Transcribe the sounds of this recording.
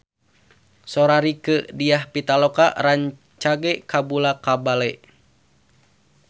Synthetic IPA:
soɾaɾikədiahpit̪alɔka̰ʔraɲ | t͡ʃaɡɛkabulakabalɛ

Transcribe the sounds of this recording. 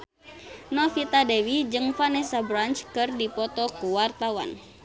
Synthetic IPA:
nɔfit̪adɛwid͡ʒɨŋfanɛsabɾant͡ʃkɨrdipɔt̪ɔkuwart̪awa̰n

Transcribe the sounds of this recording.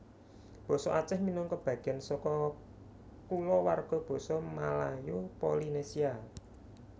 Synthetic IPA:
b̥ɔ̤sɔʔat͡ʃɪhminɔŋkɔb̥ä̤ɡ̥ɛnsɔkɔ | kulɔwarɡ̥ɔ̤b̥ɔ̤sɔmalajopolinesia

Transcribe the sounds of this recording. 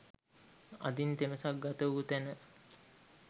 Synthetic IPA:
ɐ̰d̪int̪eməsak̚ɡat̪əʋut̪ænə

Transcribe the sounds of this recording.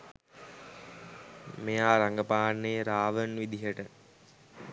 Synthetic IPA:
mejaːɾaŋɡəpaːnːeːɾaːʋənʋid̪iɦəʈə

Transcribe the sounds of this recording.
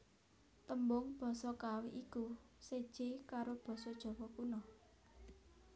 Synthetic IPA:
t̪əmbʊŋb̥ɔ̤sɔkawiʔiku | sed̥ʒ̥ekaɾob̥ɔ̤sɔd̥ʒ̥ɔ̤wɔkunɔ

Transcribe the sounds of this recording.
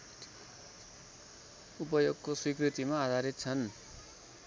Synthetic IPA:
up̬ʌjoɡkoswikrit̪imaːd̪ʱaɾit̪̚t͡sʰʌn

